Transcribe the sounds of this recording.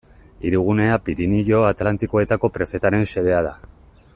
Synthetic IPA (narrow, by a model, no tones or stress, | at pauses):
iɾuɣ̞une̞apiɾiniʎo̞at̪lant̪iko̞e̞t̪ako̞pɾe̞fe̞t̪aɾe̞nse̞ðe̞að̞a̰